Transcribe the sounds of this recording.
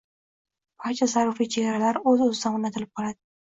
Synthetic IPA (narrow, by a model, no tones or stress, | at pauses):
pʰat͡ʃʰazaɾʊfit͡ʃʰeɡʲaɾalaɾɵzɪozɪd̪amʊnat̪ʰɪlɪp̚qʰɒlˠad̪ɪ